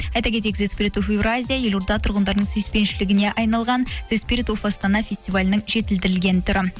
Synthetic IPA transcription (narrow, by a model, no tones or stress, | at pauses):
ɑjt̪ɑkʲe̞t̪̬ekzespʲiɾit̪ofevɾazʲijaje̞lʊɾd̪ɑt̪ʰʊɾʁənd̪ɑɾd̪əɴsɵjspe̞nʃɪlɪɡʲɪne̞ʔɑjnɑlˠʁɑnzespʲiɾʲit̪ofast̪anɑfʲe̞sʲt̪ivalʲɪnəɴʒe̞t̪ɪld̪ɪɾɪlɡʲe̞nɪt̪ʰʊɾɪ